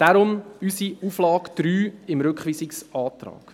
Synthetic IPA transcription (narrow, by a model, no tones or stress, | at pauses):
d̥aɾʊmysiuːflɑːkd̪̥ɾyːɪmɾʏkχʋiːsɪksɑːt̪ɾɑ̰ːk